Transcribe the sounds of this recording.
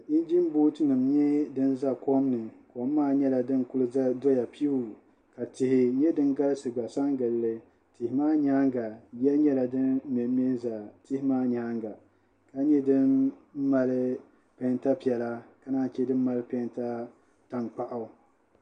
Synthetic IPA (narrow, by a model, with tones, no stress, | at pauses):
i˦n˦d͡ʒi˦m˦boː˦tɨ˦nɨ˨mɲɛ˦dɨ˦n˦za˦ko˦mnɨ˨ko˨mː˦aː˦˨ɲɛ˦la˨dɨ˦nkʊ˦lɨ˦do˦ja˨pi˦˨ | ka˨tɪ˨hɪ˨ɲɛ˦dɨ˦nɡa˦lɨ˦sɨ˨ɡ͡ba˨sa˦ŋɡɨ˨llɨ˦ | tɪ˨hɪ˨maː˦ɲaː˦ŋɡa˨jɛ˦ɲɛ˦la˨dɨ˦n˦mɛ˨˦mɛ˦za˨tɪ˦hɪ˦maː˦ɲaː˦ŋɡa˨ | ka˦ɲɛ˦dɨ˦n̩˦mːa˨lɨ˦ | pɛ˨˦nta˦pi˨ɛ˨la˦ka˨˦naː˦t͡ʃɛ˦dɨ˦m˦ma˦lɨ˦pɛ˦nta˦ | ta˦˨ŋk͡pa˦ʔʊ˨